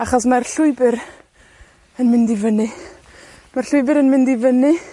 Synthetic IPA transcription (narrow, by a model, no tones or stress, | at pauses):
aχɔsmarɬʊɨbɨɾ | ənmɪndɪvənɨ | marɬʊɨbɨɾənmɪ̃ndɪvənɨ